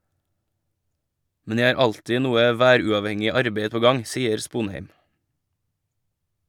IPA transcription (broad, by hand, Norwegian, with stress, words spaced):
ˈmɛn ˈjæɪ ˈɑːɾ ˈɑltɪ ˈnuːə ˈʋæːɾʉɑʋˌhɛŋɪ ˈɑɾbeɪ ˈpoː ˈɡɑŋ ˈsiːəɾ ˈspuːnˌheɪm